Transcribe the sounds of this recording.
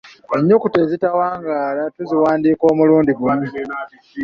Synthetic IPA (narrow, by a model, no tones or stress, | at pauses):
eɲːo̞kute̞zitawaːŋɡaːlatuziwaːndiːko̞ːmuluːndiɡumu